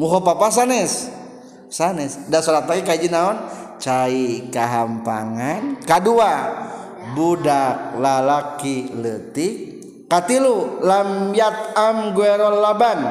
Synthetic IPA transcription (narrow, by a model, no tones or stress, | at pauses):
muɦɔpapas̬anɛs | sanɛsdasɔlat̪aɡikaid͡ʒinaɔnt͡ʃaikaɦampa̰ŋankadua | budak̚lalakilət̪i | kat̪ilulamjat̪̚amɡuɛɾɔlːaban